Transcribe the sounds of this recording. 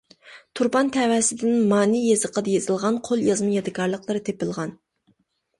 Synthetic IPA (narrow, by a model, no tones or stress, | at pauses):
t̪ʰuɾbɑnt̪ʰɛwɛsɪd̪ɪnmɑːnijezɨqʰəd̪ɑjezɨlˠʁɑnqʰolˠjɑzmɨjɑd̪ɪkɑɾlˠəqlˠɨɾɨt̪ʰepɪlˠʁɑn